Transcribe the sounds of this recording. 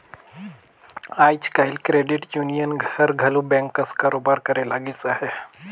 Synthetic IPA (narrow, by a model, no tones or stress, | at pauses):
aːjt͡ʃkaɪlkɾeːɖɪʈjuːnijənɡʱɐɾɡʱɐlubɛ̃ŋkːɐskaːɾoːbaːɾkɐɾelaːɡisahɛː